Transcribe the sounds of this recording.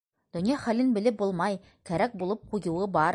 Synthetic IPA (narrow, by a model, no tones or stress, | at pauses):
d̪̥ɵ̆njɑχælɘnbɘ̆lɘp̚bulˠmɑj | kæɾæk̚bulˠɤp̚qujɤ̆wɤbɑɾ